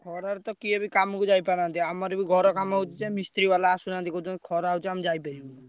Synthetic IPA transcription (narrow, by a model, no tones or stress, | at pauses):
kʰɔɾaɾt̪ɔkiebʱikamkud͡ʒaipaɾant̪iamaɾbiɡʱɔɾɔkamɔɦut͡ʃ̪it͡ʃɛmist̪ɾiʋalaːsunant̪ikɔt̪kʰɔɾaɦut͡ʃamd͡ʒaːipɛɾi